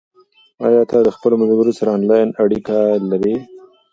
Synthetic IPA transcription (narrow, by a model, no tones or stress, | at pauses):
ɑ̰jɑt̪ad̪əxpəlomazɡəɾosaɾaɑnlɑjnaɽikalaɾe